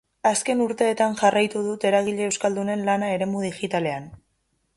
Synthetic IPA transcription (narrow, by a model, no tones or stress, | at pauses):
aske̞nuɾt̪e̞ːt̪anʝarajt̪uðut̪e̞ɾaɣiʎe̞ːwskald̪une̞nlanae̞ɾe̞muð̞iʝit̪ale̞an